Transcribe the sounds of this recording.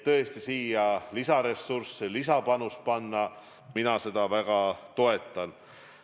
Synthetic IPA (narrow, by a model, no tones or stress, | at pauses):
t̪ɤ̞est̪isiːjɑlisɑɾe̞sːursːelisɑpɑnus̚pɑnːɑ | minɑse̞d̪̥ɑvæɡ̥ɑt̪o̞e̞t̪ːˑɑn